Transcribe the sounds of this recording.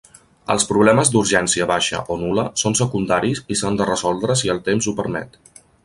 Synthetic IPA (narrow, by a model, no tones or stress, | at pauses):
ə̰lˠspɾuβlɛməzd̪uɾʒɛnsiəβaʃə̰ʔonuləsonsəkund̪aɾizisand̪ərəzɔlˠd̪ɾəs̬iəlˠt̪emzupəɾmɛ̰t̪